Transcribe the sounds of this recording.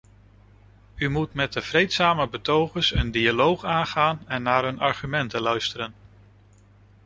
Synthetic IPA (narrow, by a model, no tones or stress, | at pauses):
ymutmɛt̚dəv̥rejtsaːməbətowχəsəndialowχaːnχaːnɛnːaːɹɦɵnɑɹχymɛntəlœɥstəɾən